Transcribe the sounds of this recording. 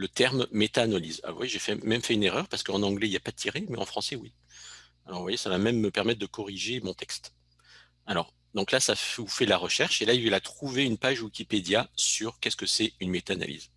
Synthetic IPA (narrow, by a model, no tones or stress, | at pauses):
lət̪ɛʁmːet̪aːnaliza̰vwa̰jeʒefɛmɛmfɛyneʁœʁpaʁsə̥kəɑ̃nɑ̃ɡlɛiljapad̪ət̪ʰiʁemɛɑ̰̃fχɑ̃sɛwi | alɔʁvwajesavamɛmːəpɛʁmɛt̪̚d̪əkɔʁiʒemɔ̃t̪ɛkst̪ | alɔ̰ʁ | d̪ɔ̃klasaufɛlaʁəʃɛʁʃelaivlat̪χuveynpaʒwikʲiped̪jasyʁkʲɛskəsɛynmet̪aːna̰lḭz